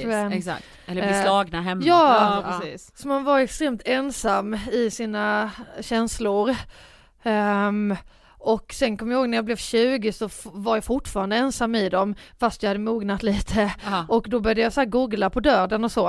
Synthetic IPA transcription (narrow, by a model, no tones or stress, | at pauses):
ɛɛsa̰ktt̪ɛlːəslɑːɡnaɦɛmːjɑːɾiːssɔmanvaɾɛkst̪ɾeːmt̪ʰɛnsamːɪsiːnaɕɛnslʊɾ | ɔkːsɛnkʰɔmːjahoːɡnæɾjablɛvɕʉ̟ːɡɪsɔfvaɾjafʊʈːfɑːɾand̪əɛnsamːɪd̪ɔmfast̪jahad̪ːəmuːɡnat̪liːt̪ʰəɔkd̪ɔbœɾjd̪əjashæːɾɡuːɡlapʰɔd̪œːɖənɔsɔ